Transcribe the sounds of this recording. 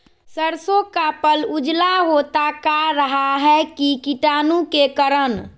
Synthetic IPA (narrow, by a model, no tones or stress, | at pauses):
səɾsõkapəlud͡ʒlaɦot̪akaɾəɦaɦɛkikiʈaːnukekəɾən